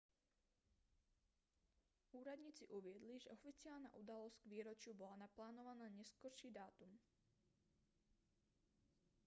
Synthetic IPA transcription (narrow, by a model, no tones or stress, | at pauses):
ʔuːɾad̪ɲiːt͡siʔuvɪɛd̪liʒɛʔɔfit͡sɪalna̰ːʔud̪alɔst̪ɡviːɾɔt͡ʃɪubɔlanaplaːnɔvanaːɲɛskɔɾʃiːd̪aːt̪um